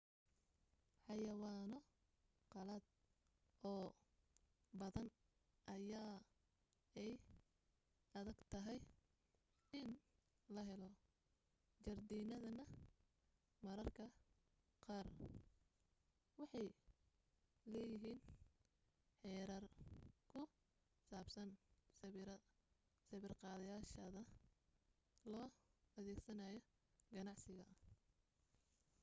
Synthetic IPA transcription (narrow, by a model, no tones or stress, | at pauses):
ħɑjɐwaːnɔ | qɑlɐd̪̚ | ʔɔː | bɐðɐn | ʔɐjaː | ɛj | ɐðɐɡt̪ʰɐɦɛj | ɪn | lɐɦɛlɔ | t͡ʃɐrd̪iːnɐðɐnɐ | mɐɾɐrkʰɐ | qɑːr | wɑħɑj | lɛːjɪɦiːn | ħɛːɾɐrkʰʊ | saːbsɐns | sɐβɪrqɑːðɐjaːʃɐðɐ | lɔːɐðɛːɡsɐnaːjɔ | ɡɐnɑʕsɪɣɐ